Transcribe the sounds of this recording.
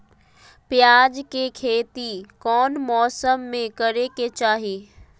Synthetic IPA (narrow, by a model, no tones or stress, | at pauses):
pjaːd͡ʑkekʰeːt̪ikɔːnmɔːsəmːẽkɐɾeket͡ʃaːɦeː